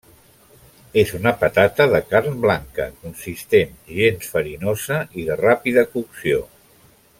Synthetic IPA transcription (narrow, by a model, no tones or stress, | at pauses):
ezunəpət̪at̪əðəkaɾnblaŋkə̰kunsist̪enʒensfəɾinozəiðərapiðəkuksio